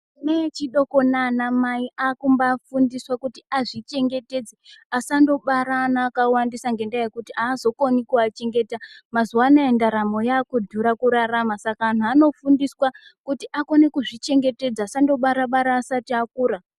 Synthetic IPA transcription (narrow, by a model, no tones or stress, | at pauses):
net͡ʃiɗo̞ko̞nanamaiʔaːkumbafundiswakutiaʐit͡ʃe̞ŋɡe̞te̞d͡zeasando̞ɓaɾaːnaːkawandisaŋɡe̞ndaje̞kutiaːzo̞konikuat͡ʃe̞ŋɡe̞ːtamazuwanaendaɾamo̞jaːkudʱuɾakuɾaramasakaan̤uano̞fundiswakutiʔako̞ne̞kuʐit͡ʃe̞ŋɡe̞te̞d͡zaːsando̞ɓaɾaɓaɾaːsatiakuːɾa